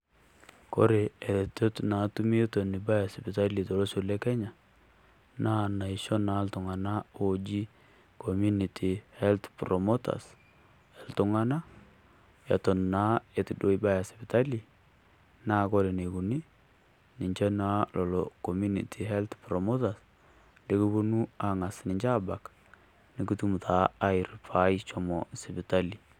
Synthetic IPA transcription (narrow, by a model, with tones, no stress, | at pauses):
kɔ̰˦ɾe˨ɛ˨ðɛ˨tɔ˦tna˨˦tu˦mi˦to˨nɪ˨ba˦ja˨spɪ˨ta˦li˨tɔ˨lɔ˦so˨lɛ˦kɛ˦ɲa˨ | na˦na˨i˨ʃɔ˦na˨˦ltʊ˨ŋa˨na˦od͡ʒi˦ | ko˨mu˦ni˨tʰi˨hɛ˦lt̪pɾɔ˨mo˦ta̰˨s | ɛ˨ltʊ˨ŋa˦na˦ | ja̰˨tɔ˨nːa˨˦e˨tu˨do˦iba˦ja˨sipi˨ta˦li˨ | na˦kɔ˦ɾe˨ne˨ku˨ni˦ | nɪ˨ɲt͡ʃɛ˦na˦lʔɔ˨lɔ˨ko˨mu˦nḭ˨tʰi˨ɦɛ˦lt̪pɾɔ˨mo˦ta˨s | de˦ku˦bo˦nu˦a˨ŋa˨snɪ˨ɲt͡ʃa˦ba˨k | nɪ˨ki˦tu˦mu˨tʰa˨a˦jrfa˦jt͡ʃɔ˨mɔsi˨pi˨ta˦li˨